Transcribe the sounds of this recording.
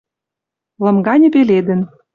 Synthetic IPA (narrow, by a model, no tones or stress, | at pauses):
lɤ̆mɡɑnʲɤ̆peled̪ɘ̆n